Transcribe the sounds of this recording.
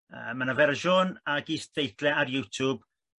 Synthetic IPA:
ə̰manavɛɾəʒoːnaɡiːsdejθlɛaɾjuːtʰub̥

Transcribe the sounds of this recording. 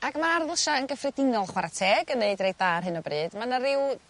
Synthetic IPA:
aɡmaarðəʃaənɡəfrɛdɪŋɔlˠχwaɾatʰeːɡənːeɨdrejd̚ðaːrɦɨnɔbrɨːd̥manaɾɪw

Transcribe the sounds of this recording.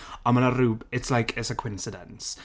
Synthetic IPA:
ə̃nmənəruːbɪtslajkʰɪsəkʰw̥ɪ̃nsɪdə̰̃ns

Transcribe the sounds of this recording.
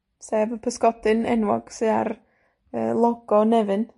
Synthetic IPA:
sɛːvəpʰəskɔd̥ɨnɛ̰nwɔ̰ɡ̥sɨa̰r | əːlˠɔɡ̥ɔnɛvɨn

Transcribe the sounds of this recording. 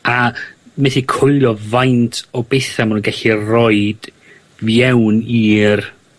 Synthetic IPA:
amɛθikʰʊlˠjɔvajntʰɔbejθamanunɡɛɬirɔɨd̥ | vjɛwniːr

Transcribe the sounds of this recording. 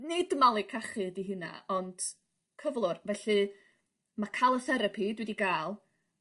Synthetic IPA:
nɨdmalˠikʰaχɨdiɦɨna̰ɔnd̥ | kʰəvlˠʊrvɛɬɨ | makʰalˠəsɛɾəpʰidwɪdiɡaːlˠ

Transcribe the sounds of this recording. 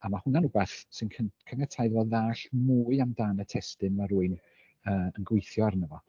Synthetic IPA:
amahʊnanʊbɛθsɨnkʰəkʰənɛtʰajðvɔðaːɬmuːɨamdaːnətʰɛstɨnmaɾuːɨn | əːənɡwɪjθjɔaɾnəvɔ

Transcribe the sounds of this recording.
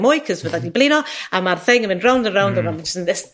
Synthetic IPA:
mʊːjkʰəzvəðadiblˠɪnɔamarθɪŋəmɪ̃ndrawndənrawndəvɛlˠnəsənɛs

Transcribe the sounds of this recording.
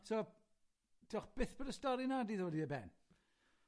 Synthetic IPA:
soː | d̥oχb̥ɪθb̥ədəstɔɾinadiðoːdiəbɛn

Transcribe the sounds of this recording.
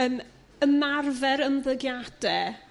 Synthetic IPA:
əːm | əmarvɛɾəmblˠəɡjad̥ɛ

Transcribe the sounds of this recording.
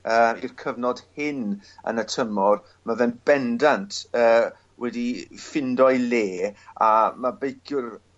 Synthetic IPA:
əːirkʰəvnɔd̥hɪnə̰nətʰəmɔr | mavɛnb̥ɛndantʰəː | wɛdifɪndɔjleːamabejkʰjʊr

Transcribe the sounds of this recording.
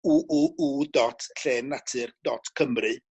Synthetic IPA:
uʔuʔudɔtʰɬeːnːatʰɨrd̥ɔtʰkʰəmrɨ

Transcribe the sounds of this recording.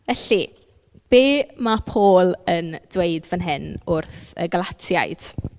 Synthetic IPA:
vɛɬi | b̥eːmapʰoːlˠənd̥wejdvənɦɪnʊrθə̰ɡəlˠatʰja̰jd̥

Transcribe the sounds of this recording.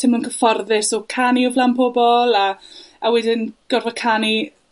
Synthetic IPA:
tʰɪmʊnkʰəfɔrðɪsɔkʰaniɔvlampʰɔbɔlˠaawɛdɪnɡ̥ɔrvɔkʰani

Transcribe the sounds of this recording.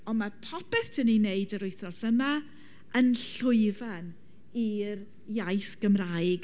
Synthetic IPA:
ɔnmapʰɔpɛθtʰənineɨdəɾʊɨθrɔsəma | ənɬʊɨvan | ir | jajθɡ̥əmrajɡ

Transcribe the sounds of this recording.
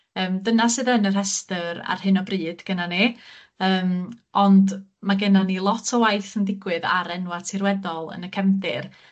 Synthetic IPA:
əːmdənasɨðənər̥ɦɛstəɾa̰rhɨnɔbriːd̥ɡ̥ənane | əːmɔndmaɡənanilˠɔtʰɔwajθəndɪɡwɨða̰ɾɛnwatʰɪrwɛdɔlˠə̰nəkʰɛmdɪr

